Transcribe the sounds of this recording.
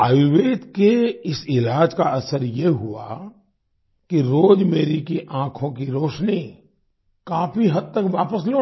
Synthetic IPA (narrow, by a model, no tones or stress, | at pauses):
aːjuʋeːt̪keɪsɪlaːd͡ʒkaɐsəɾjeɦua̰ | kiɾoːd͡ʒmeːɾikiʔãːkʰõk̬iɾoːʃni | kãːfiɦɐd̪̚t̪ɐkʋaːpəs̬loː